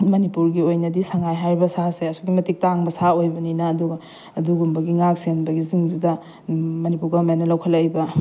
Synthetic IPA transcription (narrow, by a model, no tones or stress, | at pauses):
mɐnipuɾɡiojnɐdisaŋajɦaɾbɐsaseɐsuɡimɐtik̚taŋbɐsaojbɐninɐːduɡɐː | duɡumbɐɡiŋak̚senbɐɡiziŋdidɐ | mɐnipuɾɡɐmajnːɐlɐwkʰɐlɐjbɐ